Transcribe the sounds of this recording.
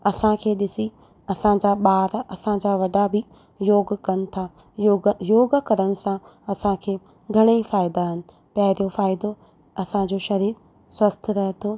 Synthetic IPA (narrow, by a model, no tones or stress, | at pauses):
ɐsãkʰeːɗɪsi | ɐsãd͡ʑaːɓaːɾɐsãd͡ʑaːʋɐɖabɪ | joːɡkɐnɪ̆t̪ʰa | jojoːɡkɐɾəɽ̃sã | ɐsãkʰeː | ɡʱɐɽ̃efaːɪd̪aɦɪnɪ̆ | paːɦɪɾijofaːɪd̪o | ɐsãd͡ʑoʃɐɾiːɾ | swɐst̪ʰɾɐɦet̪ʰoː